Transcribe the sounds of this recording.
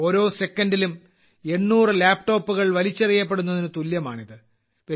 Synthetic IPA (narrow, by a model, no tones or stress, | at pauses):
o̞ːɾo̞ːse̞kːɐndilum | e̞ɳːuːrɨlaːpʈo̞ːpːuɣɐɭʋɐlit͡ɕːɐrijːɐp̬ːe̞ɽunːɐðinɨt̪uljɐma̰ːɳiðɨ | pɐ